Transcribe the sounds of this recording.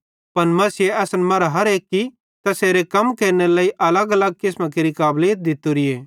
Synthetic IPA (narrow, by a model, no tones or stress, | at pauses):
pɐnmɐsɪjeɐːsənmɐɾaɦɐɾeːkːi | t̪ɐseːɾekɐmkeːɾnelaːiʔɐləɡɐləɡ̚kɪsmãk̬eɾikaːbleːət̪̚d̪ɪt̪ːuɾɪjeː